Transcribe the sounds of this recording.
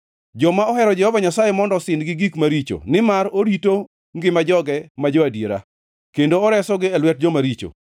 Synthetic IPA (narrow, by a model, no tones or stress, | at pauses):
d͡ʒɔmaɔhɛɾɔd͡ʒɛhɔvaɲasajemɔndɔsɪndɡɪɡikmaɾit͡ʃo̰nɪmaɾoɾito | ŋɡɪmad͡ʒɔɡɛmad͡ʒɔadjeɾa̰ | kendoɔɾɛsɔɡɪɛlwɛt̚d͡ʒɔmaɾit͡ʃo̰